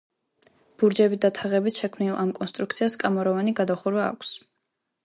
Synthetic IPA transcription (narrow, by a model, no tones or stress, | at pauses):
b̥uɾd͡ʒɛbid̪at̪ʰaʁɛbit̪ʃɛkʰmnilˠamkʼɔnst̪ʼɾuk̚t̪sʰiaskʼamɔɾɔvaniɡad̪aχuɾwa̰ːkʷʰs